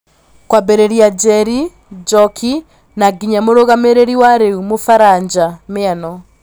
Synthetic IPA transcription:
kwabɛɾeɾiad͡ʒɛɾi | d͡ʒɔkʰi | naɡiɲamoɾoɣameɾeɾiwaɾeumofaɾaɲd͡ʒameanɔ

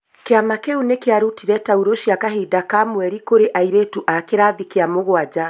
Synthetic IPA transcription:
keamakeunekeaɾutiɾɛtauɾoʃijakaɦidakamwɛɾikoɾeʔaiɾetuʔakeɾaːðikeamoɣwad͡ʑa

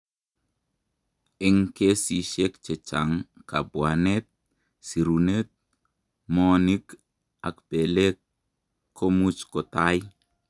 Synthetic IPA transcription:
eŋkesiʃekt͡ʃet͡ʃaŋkabwanet̚ | siɾunet̪̚ | monik | akpelekːʰ | omut͡ʃkotaj

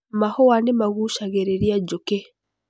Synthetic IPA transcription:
mahɔwanemaɣuʃaɣeɾeɾiad͡ʒoke

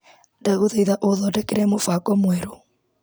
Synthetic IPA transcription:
ndaɣoðeiðaʔoðɔdɛkeɾɛmofakɔmwɛɾo

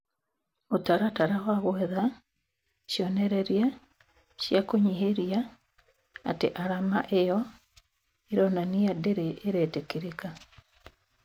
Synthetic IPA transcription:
otaɾataɾaɣaɣwɛða | ʃjɔneɾeɾja | ʃjakoɲiɦeɾja | a̰tḛʔaɾamaʔejɔ | iɾɔnanijadeɾeʔeɾetekiɾeka

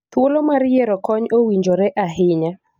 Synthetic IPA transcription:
t̪wolomaɾjeɾɔkɔɲowiɲd͡ʒoɾɛʔaɦɪɲa

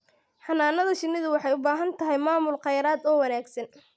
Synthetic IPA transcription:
ħɑnaːnɐðɐʃɪnːɪðʊwɑħɑjʊbaːɦɐnt̪ʰɐɦɛjmaːmʊlqɑjɾaːd̪ɔːwɐnaːɡsɐn

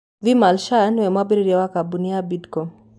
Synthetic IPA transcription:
vimalʃanwɛmabiɾiɾɛwakabuniabidkɔ

